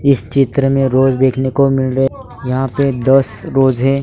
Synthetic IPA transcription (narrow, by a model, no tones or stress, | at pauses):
ɪst͡ʃɪt̪ɾəmẽɾoːzd̪eːkʰnekomɪlɾə | jɐɦãped̪ɐsɾoːzɦɛː